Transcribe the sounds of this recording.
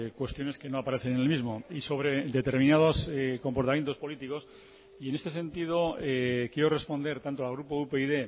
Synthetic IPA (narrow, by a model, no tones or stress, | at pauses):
kwe̞st̪jo̞ne̞ske̞no̞apaɾe̞θe̞nenelmizmo̞iso̞βɾe̞d̪e̞t̪e̞ɾmĩnað̞osko̞mpo̞ɾt̪amje̞nt̪opo̞lit̪iko̞s | ie̞ne̞st̪e̞s̬e̞nt̪ið̞o̞ekjeɾore̞spo̞nd̪e̞ɾt̪ant̪o̞alɣ̞ɾupoupeiðe̞